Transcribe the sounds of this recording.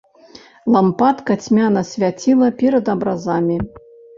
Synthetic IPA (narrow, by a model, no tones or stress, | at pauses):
lˠampat̪kɐt͡sʲmʲanɐsʲvʲat͡sʲilˠɐpʲɛɾɐd̪ɐbɾazamʲi